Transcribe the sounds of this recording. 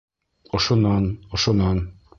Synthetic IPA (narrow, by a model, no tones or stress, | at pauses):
ŏʃŏnːɑnŏʃŏnɑn